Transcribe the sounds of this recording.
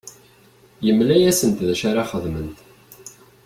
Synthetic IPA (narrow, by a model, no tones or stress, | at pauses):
jəmlæjæsənt̪ðæʃaɾaχəðmənt̪